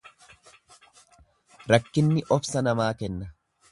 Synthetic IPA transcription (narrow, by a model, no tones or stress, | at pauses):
ɾɐkːɪnːɪʔɔfsɐnɐmaːkɛnːɐ